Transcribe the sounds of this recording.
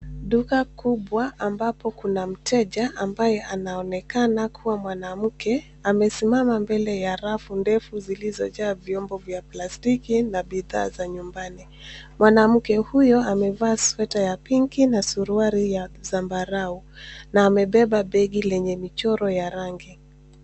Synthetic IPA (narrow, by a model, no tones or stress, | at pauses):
ɗukakuɓwaʔambapɔkunam̩tʰɛʄaʔambajɛʔanaɔnɛkanakʰuwamwanam̩kɛ | amɛsimamambɛlɛjaɾafundɛfuzilizɔʄaːvjɔmbɔvjaplastikinaɓiða̰ːzaɲumbani | mwanam̩kɛhujɔamɛvaːswɛtajapiŋkinasuɾuaɾijazambaɾaunaːmɛɓɛɓaɓɛɡilɛɲɛmit͡ʃɔɾɔjaɾaŋɡi